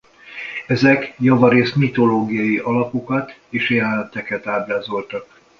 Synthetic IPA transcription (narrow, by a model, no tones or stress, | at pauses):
ɛzɛkjɒvɒɾeːsmit̪o̞loːɡijɒjiʔɒlɒpo̞kɒt̪eːʃjɛlɛnt̪ɛkɛt̪aːblaːzo̞lt̪ɒk̚